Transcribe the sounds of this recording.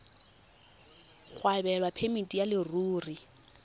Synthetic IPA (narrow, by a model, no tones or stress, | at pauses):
χwabɛlwapʰemitʼijalɪruːri